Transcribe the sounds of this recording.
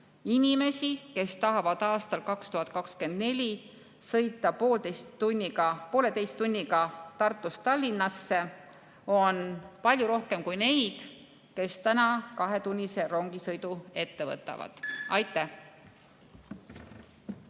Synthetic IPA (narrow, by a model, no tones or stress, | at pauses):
inʲime̞sike̞st̪ɑɦɑvɑd̪̥ɑːst̪ɑlkɑkst̪uɦɑt̪̚ˑkɑkske̞nd̪̥ne̞lʲi | sɤ̞jt̪ːˑɑpoːld̪ejst̪ːunʲːiɡɑpo̞ːle̞t̪e̞jst̪ːunʲːiɡɑt̪ɑrt̪ːˑust̪ɑlʲːinːɑsːe̞ | o̞npɑlʲjuɾo̞hke̞mkujne̞jd̪̥ | ke̞st̪ænɑkɑɦe̞t̪unʲːise̞ɾo̞ŋɡisɤjd̪ue̞t̪ːe̞vɤ̰t̪ːˑɑ̰vɑ̰d̪̥ɑjt̪ːˑæh